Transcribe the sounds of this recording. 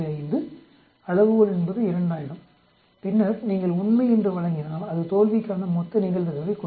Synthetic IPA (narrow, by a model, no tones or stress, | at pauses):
ɐjnd̪ɯ | ɐɻɐʋɯɣɐɭɛnbɐðɯɪɾɐɳɖaːjɐɽɯm | pɪnːɐɾniːŋɡɐɭʊnmɐɪɛndrɯʋɐɭɐŋɡɪnaːlɐðɯt̪oːlʋɪkːaːnɐmɔt̪ːɐnɪɣɐɭʋɐɣɐʋɐɪkːɔ